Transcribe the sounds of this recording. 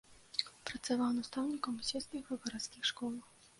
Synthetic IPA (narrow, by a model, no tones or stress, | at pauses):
pɾɐt̪savawnast̪awnʲikɐmusʲɛst̪nʲixɐɣɐɾat̪skʲixʂkɔlˠɐx